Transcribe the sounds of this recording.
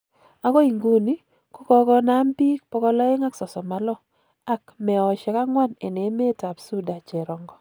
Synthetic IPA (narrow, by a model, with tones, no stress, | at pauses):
a˦kɔ˦i˨ŋɡu˦ni˦ | ko˦kɔ˦ɡɔ˦na˦mbi˦k̚pɔ˦kɔ˦lɔ˦ɪ˦ŋa˦ksɔ˨sɔ˨ma˦lɔ˦ | a˦kmɛ˨ɔ˨t͡ʃɛ˨ka˦ŋwa˦ne˨ne˨˦me˦ta˨psu˦da˨t͡ʃɛ˨ɾɔ˨ŋɡɔ˨